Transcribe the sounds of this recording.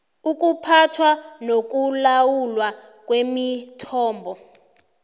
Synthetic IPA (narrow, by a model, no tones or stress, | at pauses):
uk̬ʼupʰatʰwanok̬ulawulwa | k̬ʼwemitʰɔːmbʱɔ